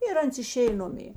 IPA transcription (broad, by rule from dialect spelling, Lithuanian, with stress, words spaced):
ɪr ˈɐns ɪˈʃʲeːj ˈnʊmʲeː